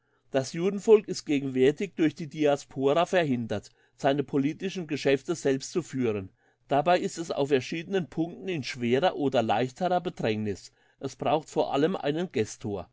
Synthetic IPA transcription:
d̥asjuːdn̩fɔlkɪst̚ɡ̥eːɡŋ̩vɛɐtɪçd̥ʊɐçd̥iːdiaspʰoːʁafɛɐhɪndɐt | z̥aɪnəpʰoliːtɪʃn̩ɡəʃɛftəzɛlpstt͡sufyːʁ̞ən | d̥abaɪɪstɛsa̰ʊfɛɐʃiːdənənpʰʊŋk̚tn̩ɪnʃv̥eːʁɐʔoːdɐlaɪçtʰəʁɐbədʁɛŋnɪs | ʔɛsb̥ʁaʊxtfoːɐʔa̰ləmʔa̰ɪnənɡɛstʰoːɐ

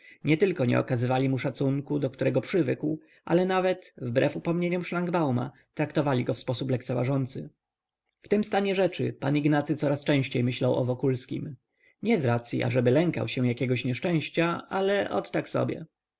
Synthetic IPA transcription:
ɲɛt̪ɘlkɔɲɛ̰ɔ̰kazɘvalʲimuʂat̪suŋkud̪ɔkt̪uɾɛɡɔpʂɘvɘkw | ʔa̰lɛnavɛt̪vbɾɛfupɔmɲeɲɔmʂlaŋɡbawma̰ | t̪ɾakt̪ɔvalʲiɡɔfspɔsuplɛk̚t̪sɛvaʐɔnt̪sɘ | ft̪ɘmst̪aɲɛʐɛt͡ʂɘ̰paniɡnat̪sɘt̪sɔɾast͡ʂɛ̃w̃ɕt͡ɕejmɘɕlawʔɔ̰vɔkulskʲḭm | ɲɛzɾat̪sʲjḭʔa̰ʐɛbɘlɛŋka̰wɕɛw̃jakʲɛɡɔɕɲɛʂt͡ʂɛ̃w̃ɕt͡ɕaalɛʔɔ̰t̪ːaksɔ̰bʲjɛ̰

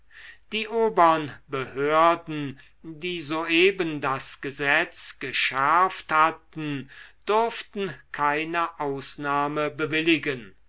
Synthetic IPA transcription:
d̥iːʔoːbɐənbəhøɐdn̩ | diːzoːeːbəndasɡ̥əzɛt͡sɡ̥əʃɛɐfthatn̩d̥ʊɐftn̩kʰaɪnəʔaʊsnaːməbəvɪlɪɡən

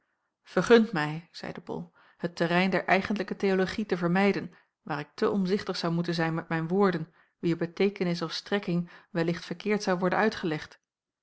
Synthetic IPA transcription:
v̥əɹχɵntmɛjz̥ɛ̰jdəbɔ̰lˠ | hətərɛjndɛɹʔɛjχəndələkətejoloχitəvəɹmɛjdən | ʋaːɾɪk̚tʰəʔɔmzɪχtəχsɑwmutənzɛjnmɛt̚mɛjnʋʊːɹdən | ʋiəɹbətejkənɪs̬ɔfstrɛkɪŋʋɛlɪχtfəɹkɪːɹtsɑwʋɔɹdə̰nœɥtχəlɛχt

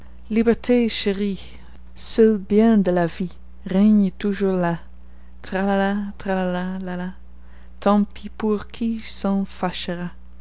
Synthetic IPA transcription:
libɛʁt̪ʰeʃəʁi | səlbjɛ̃d̪əlavi | ʁɛɲt̪uʒuʁla | t̪χalalat̪ʁalalalala | t̪ɑ̃pʰipuʁkʰisɑ̃faʃəʁa

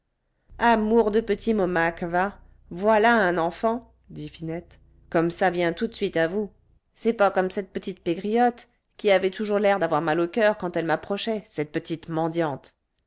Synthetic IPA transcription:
amuʁd̪əpət̪ʰimɔmakva | vwalaɛ̃nɑ̃fɑ̃ | d̪ifinɛt̪ | kɔmsavjɛ̃t̪ut̪sɥit̪avu | sɛpakɔmsɛt̪̚pət̪it̪̚peɡʁijɔt̪ | kʲiavɛt̪uʒuʁlɛʁd̪avwaʁmalokʲœʁkɑ̃t̪ɛlmapχɔʃɛsɛt̪̚pət̪it̪mɑ̃d̪jɑ̃t̪

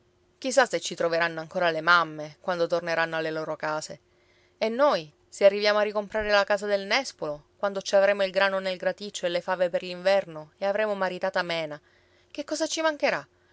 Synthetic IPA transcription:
k̟is̬ːaset͡ʃːit̪ɾoveɾanːoaŋkoːɾalemamːekwand̪ot̪orneɾanːoalːeloːɾokaːse | enːoj | searːivjaːmoarːikompɾaːɾelakaːsad̪elnɛspolokwand̪ot͡ʃiavɾeːmoilɡɾaːnonelɡɾat̪it͡ʃːoelːefaːveperliɱvɛrnoeavɾeːmomaɾit̪aːt̪amɛːna | kekːɔːzat͡ʃːimaŋkeɾa

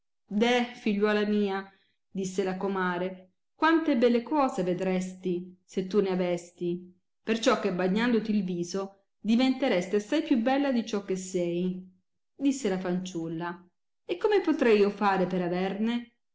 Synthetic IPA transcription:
d̪ɛfiʎːwɔːlamiːa | d̪isːelakomaːɾe | kwant̪ebɛlːekɔːzeved̪ɾɛst̪iset̪ːuneavɛst̪i | pert͡ʃɔkːebaɲːand̪ot̪ilviːzo | d̪ivent̪eɾɛst̪easːajpjubɛlːad̪it͡ʃɔkːesːɛj | d̪isːelafant͡ʃulːa | ekːomepot̪ɾɛjiofaːɾepeɾavɛrne

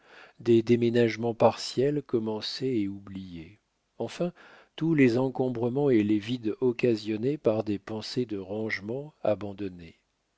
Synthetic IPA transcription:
d̪ed̪emenaʒmɑ̃paʁsjɛlkɔmɑ̃seeublije | ɑ̃fɛ̃ | t̪ulezɑ̃kɔ̃bʁəmɑ̃elevid̪ɔkazjɔnepaʁd̪epɑ̃sed̪əʁɑ̃ʒmɑ̃abɑ̃d̪ɔne

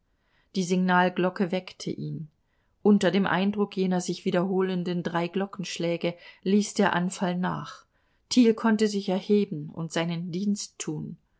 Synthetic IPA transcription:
d̥iːzɪɡnaːlɡlɔkəvɛktʰə̰ʔiːn | ʔʊntɐdeːmʔa̰ɪndʁʊkjeːnɐzɪçv̥iːdɐɦoːləndəndʁaɪɡlɔkn̩ʃlɛːɡəliːsd̥eːɐʔanfalna̰ːχ | tʰiːlkʰɔntəzɪçɛɐheːbm̩ʊ̰ntz̥aɪnəndiːnstʰːuːn

